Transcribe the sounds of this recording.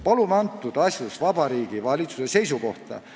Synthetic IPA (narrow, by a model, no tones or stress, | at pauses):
pɑlumɑnt̪ːˑud̪̥ɑsʲjusvɑbɑɾiːɡ̥ivɑlʲit̪su̥sese̞jsuko̞̰ht̪ɑ̰